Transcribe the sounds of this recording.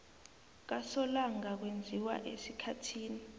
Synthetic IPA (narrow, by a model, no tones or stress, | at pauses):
k̬asɔlaŋak̬wend͡zʱiwa̰ʔesikʰatʰiːni